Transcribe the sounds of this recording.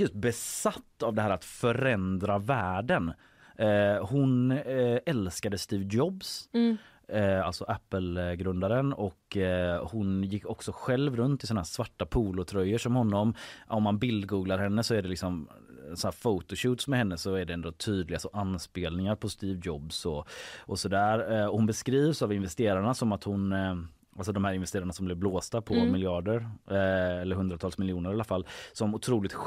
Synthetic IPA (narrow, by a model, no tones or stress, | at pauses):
jɵst̪̚bɛsat̪ːavd̪ɛɦæːɾat̪fœɾɛnd̪ɾavæːɖən | hʊn | ɛlskad̪əst̪iːvjɔbs | a̰lt̪sɔʔæpːəlɡɾɵnd̪aɾənɔkːhʊnjɪkːɔksɔɧɛlvɾɵnt̪ʰːɪsinahæːʂvaʈːapʰuːlʊt̪ʰɾœjːəʂɔmhɔnːɔmɔmːanbɪld̪ɡuːɡlaɾhɛnːəsɔæɖɛlɪksɔmsɔnæːɾfut̪ʊɕʉːt̪smɛhɛnːəsɔæɖɛɛnd̪oːt̪ʰyːd̪lɪɡasɔʔanspeːlnɪŋaɾpʰɔst̪iːvjɔbːsɔʔɔsɔd̪æːɾɔhʊnbɛskɾiːvsavɪnvɛst̪eːɾaɳasɔmat̪hʊn | alsɔd̪ɔmhæːɾɪnvɛst̪eːɾaɳasɔmblɪɾbloːst̪apʰɔmɪljɑːɖəɾ | ɛlːəɾɦɵnd̪ɾat̪ʰɑːlsmɪljuːnəɾɪalafalːsɔmʊt̪ʰɾuːlɪkt̪